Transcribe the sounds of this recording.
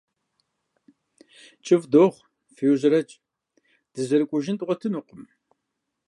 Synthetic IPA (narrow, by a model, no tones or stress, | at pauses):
t͡ʃʼɪvdoːʁʷ | fiwʑrɐt͡ʃʼ | d̥ɨzɐɾɨkʷʼʊʒɪntʼʁʷɔtʰɨnuqʷʼʊm